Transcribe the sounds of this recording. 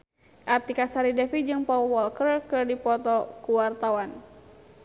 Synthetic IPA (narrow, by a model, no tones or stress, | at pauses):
ʔat̪ikasaɾidɛfid͡ʒɨŋpɔwɔlkərkɨrdipɔt̪ɔkuwart̪awan